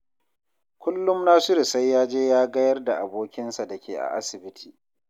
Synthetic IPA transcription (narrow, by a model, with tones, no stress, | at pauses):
kʷʊ˦lːʊ˦mnaː˦sʊ˦ɾɪ˨sa˦jːaː˦d͡ʒeː˦jaː˦ɡɐ˦jɐ˦rda˨ʔa˨boː˦kʲɪ˦nsa˨da˨kʲeː˨ʔa̰˨ʔa˦sɪ˨bɪ˦tʰiː˨